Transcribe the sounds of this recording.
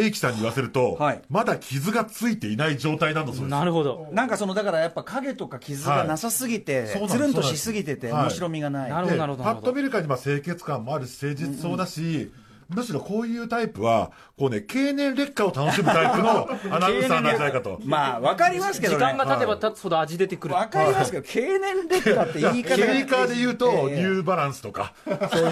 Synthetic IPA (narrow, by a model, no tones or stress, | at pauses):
eːkʲi̥sãɲ̟ːiβaseɾɯ̟t̪o̞haimad̪akʲʰizɨɡat͡sɨit̪e̞inaid͡ʑo̞ːt̪ainãnːsnnaɾɯ̟ɦod̪onãŋkaso̞no̞d̪akaɾajapːakaɡe̞t̪o̞kakʲizɨɡanasasɨɡʲit̪e̞ssoːnaɾɯ̟̃t̪oɕisɨɡʲit̪e̞t̪eoɕiɾo̞mʲiɡanaiepat̪ːo̞mʲiɾɯ̟kaɲ̟imase̞ːke̞t͡sɨ̥kãmːo̞aɾɯ̟ɕi̥se̞ːd͡ʑit͡sɨɨ̥so̞ːd̪aɕi | mɯ̟ɕiɾo̞ko̞ːjɯ̟ːt̪aipɯ̟βa̰ | ko̞ːne̞ke̞ːnẽ̞nɾe̞kːao̞t̪ano̞ɕimɯt̪aipɯ̟no̞anaɯ̃sanad͡ʑid̪aikat̪o̞̰maːβakaɾʲimasɨ̥ke̞dioãŋɡat̪at̪e̞bat̪ahod̪oaʑid̪e̞t̪e̞kɯɾɯβakaɾimasɨ̥kedokʰe̞ːnẽ̞nɾeːat̪ːeaikaikad̪e̞jɯ̟ːt̪o̞ɲ̟ʲɨːbaɾãɰ̃sɨ̥t̪oka̰so